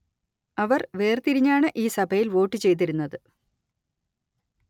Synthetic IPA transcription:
ɐʋɐrʋe̞ːrt̪iɾiɲːaːɳɨʔiːsɐbʱɐjilʋo̞ːʈːɨt͡ɕe̞jt̪̬iɾunːɐðɨ

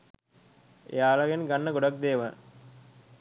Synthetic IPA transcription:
jaːlɐɡɐnɡɐɳːɐɡʊɽɐk̚d̪eːʋɐn

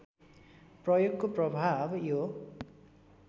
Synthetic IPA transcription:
prʌjoɡkoprʌbʱabjo

